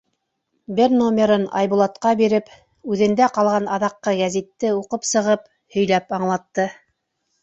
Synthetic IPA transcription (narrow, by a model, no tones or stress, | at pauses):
bɘɾnomʲeɾɤnɑ̰jbulˠɑt̪qɑbiɾɘp | ʉðɘ̆nd̪æqɑlˠʁɑnɑðɑqːɤɡæzit̪ːɘuqɤpsɤ̆ʁɤp | hɵ̆jlæpɑɴlˠɑt̪ːɤ